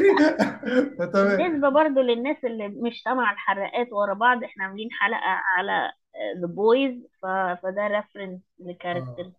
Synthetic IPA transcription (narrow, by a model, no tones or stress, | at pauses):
t̪æmnːes̬bæbɑɾˤd̪ˤolenːæːsʔelːimoʃt̪æmaʕelħɑrˤːɑʔæːt̪wɑɾˤɑbɑʕd̪ˤʔeħnæʕamæliːnħalæ̰ʔæ̰ʕalæ̰ | ðeboːjzfæfæd̪æɾefɾɑns | lekæɾˤɑk̚t̪eɾ